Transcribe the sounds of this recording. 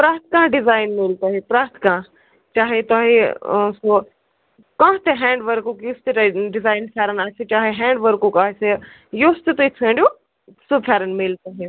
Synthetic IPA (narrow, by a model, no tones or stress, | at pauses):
pɾaːɾt̪ʰkãːɖɪzaːɪnmelt̪oːɦepɾaːɾt̪ʰkãː | t͡ʃaːɦet̪aːɦeso | kãːt̪eɦɛ̃ːɳɖʋəɾkokjost̪eɖɪzaːɪnpʰʲjaːɾənaːɦset͡ʃaːɦeɦɛ̃ːɳɖʋəɾkukaːɦese | jost̪et̪oit̪ʰẽːɳɖijo | supʰjaːɾənmelt̪aːɦe